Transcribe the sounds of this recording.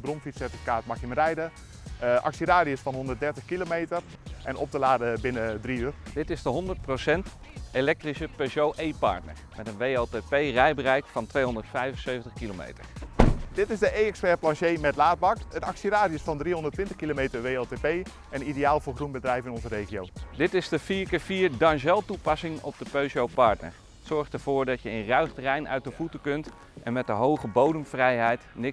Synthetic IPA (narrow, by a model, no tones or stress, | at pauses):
bronfitsɛrtifi̥kaːtmaxjəmərɛjdə | ʔɑ̰ksiraːdijəsfɑnɦondərt̚dɛɹtəxkilomejtərʔɛno̰p̚təlaːdəbɪnədriyərd̥ɪtɪzdəɦɔndəɹt̚prosɛnt | elɛk̚trisəpɛsowʔejpɑ̰ɹtnə̰ɹmɛtənʋejotepejrɛjbərɛjkfɑntʋejɦondəɹtfɛjvənsøɥvəntəχkilomḛjtə̰ɹdɪtɪsdəʔejɛkspɛɹplɑnʃejmɛtlaːd̚bɑkənɑksiɾaːdiəsfɑndriɦɔndətʋɪntəχkilomejtəɹʋejɛltepej | ɛnidejaːlˠvʊːɹχrunbədrɛjfɪnɔnzəɾejχijowdɪtɪzdəfiːɹkəfiːɹdɑnʃɛlˠtupɑsɪŋɔ̰p̚dəpøɥsowpɑɹtnə̰ɹ | ətsɔɹχtəɹvʊːɹdɑcjəɪnrœɥχtrɛjnœ̰ɥtdəvutəkɵnt | ʔɛnmɛt̚dəɦowχəbowdəmvrɛjɦɛjtnɪ